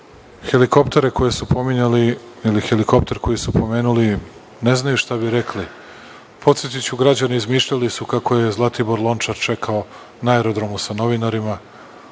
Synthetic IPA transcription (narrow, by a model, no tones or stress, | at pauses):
xe̞liko̞pt̪e̞ɾe̞ko̞je̞supo̞miɲali | ilixeliko̞p̚t̪e̞ɾko̞jisupo̞me̞ːnuli | ne̞znajuʃt̪abiɾe̞kli | pʰo̞t̪sjet̪̬it͡ɕuɡɾad͡ʑaneizmiːʃʎalisukakoje̞zlˠat̪ibo̞ɾlˠo̞nt͡ʃaɾt͡ʃe̞kʰao | naeɾo̞d̪ɾo̞musano̞ʋinaɾima